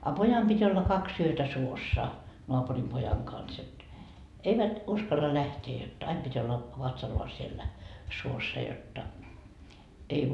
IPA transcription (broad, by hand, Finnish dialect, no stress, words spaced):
ɑ pojɑm pitʲ olːɑ kɑksi yøtæ suosːɑ noɑpurim pojɑŋ kɑns et eiʋæt uskɑlːɑ læhteː jot ɑim pitʲ olːɑ ʋɑtsɑlːɑː sielːæ suosːɑ jotːɑ ei